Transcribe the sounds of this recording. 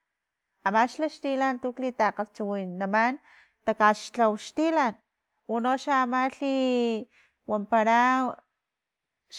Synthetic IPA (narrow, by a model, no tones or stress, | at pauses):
amaʃlaʃt̪ilant̪uklit̪aqalt͡ʃuwinaman | t̪akaʃt͡ɬawʃt̪ilan | wunoʃaːmaɬi | wampaɾa | ʃ